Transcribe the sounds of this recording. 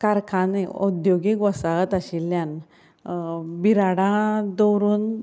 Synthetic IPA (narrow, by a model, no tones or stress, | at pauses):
kaɾkʰãneud̪joɡikʋɔsaət̪aɕilːjan | biɾaɽãd̪ɔwɾuːn